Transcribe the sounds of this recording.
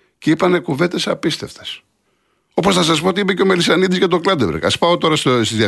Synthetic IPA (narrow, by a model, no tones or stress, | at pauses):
ceipɐne̞kuve̞nd̪e̞sɐpist̪e̞ft̪e̥s | o̞posnɐs̬ɐspo̞ot̪iipeceo̞melisɐnid̪izʝɐt̪̬o̞klɐd̪evḛɾɣɐ̰spɐot̪o̞ɾɐsost̪izðiɐ